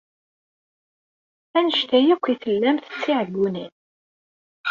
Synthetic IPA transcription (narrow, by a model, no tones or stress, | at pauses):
ænəʃt̪æjækʷːiθəlːæmθə̥t͡sːiʕəɡːunin